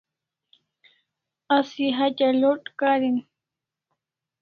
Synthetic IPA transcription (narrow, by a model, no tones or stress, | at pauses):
asiɦat͡ʃaloʈkaɾin